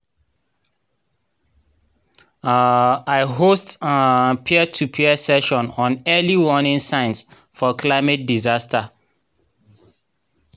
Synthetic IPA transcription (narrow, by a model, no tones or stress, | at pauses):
aɪɦostapʰiɛtʰupʰiɛsɛʃɔ̃nɔ̃nɛliwɔnɪ̃nsãɪ̃ns | fɔkʰlaɪmet̚dizastə